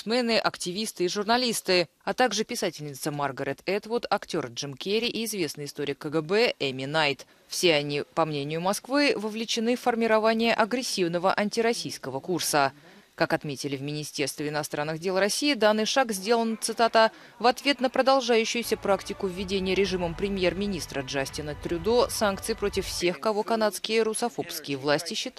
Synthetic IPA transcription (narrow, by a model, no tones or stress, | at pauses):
smʲɛnɨʔɐktʲɪvʲist̪ɨɪʐʊrnɐlʲist̪ɨ | at̪aɡʐɨpʲɪsatʲɪlʲnʲɪt̪səmarɡəɾʲet̪ɛt̪vʊrt̪ɐktʲo̞rʐɨmkʲeɾʲɪʔɪːzvʲe̞snɨɪst̪oɾʲɪkːəɡəbɛʔɛmʲɪnajt̪ | fsʲeɐnʲipɐmnʲenʲɪjʊmɐskvɨvəvlʲɪt͡ɕɪnɨfːərmʲɪɾɐvanʲɪjəʔɐɡɾʲɪsʲːivnəvəʔɐnʲtʲɪɾɐsʲijskəvəkursə | kakɐt̪mʲetʲɪlʲɪvmʲɪnʲɪsʲtʲe̞rst̪vʲɪɪnɐst̪ɾanːɨɣdʲelˠrɐsʲijːɪd̪anːɨjʂakzʲdʲe̞lˠənt̪sɨt̪at̪ə | vɐt̪vʲe̞t̪nəpɾəd̪ɐlˠʐajʉɕːɪjʊsʲəpɾaktʲɪkʊvʲːɪdʲenʲɪjəɾʲɪʐɨməmpɾʲɪmʲje̞rmʲɪnʲist̪ɾəʐasʲtʲɪnət̪ɾʲʊd̪osank̚t̪sɨjpɾo̞tʲɪffsʲe̞xkɐvo̞kɐnat̪skʲɪjəɾʊsɐfo̞pskʲɪjəvlˠasʲtʲɪɕːɪt̪